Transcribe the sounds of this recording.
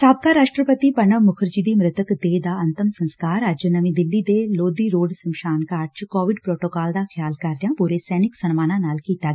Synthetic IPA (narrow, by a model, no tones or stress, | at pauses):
saːb̚kaːɾaːʃʈɾəpət̪iːpənəʋmʊkʰəɾd͡ʒiːd̪iːmɾɪt̪əkd̪eːd̪aːənt̪əmsə̃nskaːɾəd͡ʒnəʋĩːd̪ɪlːid̪eːloːd̪iːɾoːɖsəmʃaːnkaːɾt͡ʃkɔːʋɪɖpɾoːʈoːkaːld̪aːxʰjaːlkɐɾd̪ɪjãːpuɾeːsɛːnɪksənmaːnãːnaːlkiːt̪aː